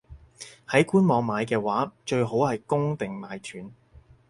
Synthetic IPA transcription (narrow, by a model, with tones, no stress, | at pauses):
hɐ˨˥jkuː˥nmɔː˨˧ŋmaː˨˧jkɛː˧waː˨˥t͡ʃɵ˧ɥɦo˨˥whɐ˨jkʊ˥ŋt̪ɪ˨ŋmaː˨˧jt̪ʰyː˨˥n